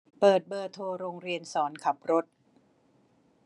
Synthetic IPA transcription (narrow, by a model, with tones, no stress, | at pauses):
pɤː˨˩t̪̚bɤː˨˩t̪ʰːoː˧ɾoː˧ŋɾi˧ənsɔː˩˦nkʰa˨˩p̚ɾo˦˥t̪̚